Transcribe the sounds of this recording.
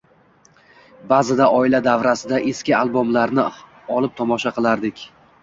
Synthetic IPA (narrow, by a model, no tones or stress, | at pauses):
bazɪd̪aʔɒɪlad̪avɾasɪd̪aʔeskʲɪalˠbomlaɾnɪ | ɒlˠɪp̚t̪ʰɒmɒʃaqɨlˠaɾd̪ɪkʲ